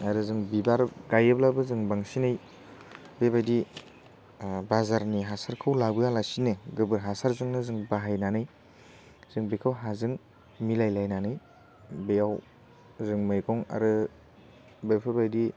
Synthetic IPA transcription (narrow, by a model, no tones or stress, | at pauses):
aɾɯzɯŋbibaɾɡajɯblabɯzɯŋbaŋsinaj | bebajdi | bazaɾniɦasaɾkʰɯwlabɯjalasinɯɡɯbɯɾɦasaɾzɯŋnɯzɯŋbaɦajnanɯj | z̥ɯŋbekʰawɦazɯŋ | milajlajnanɯj | bejaw | zɯŋmajkʰɔŋa̰ɾɯ | bepʰɯbajdi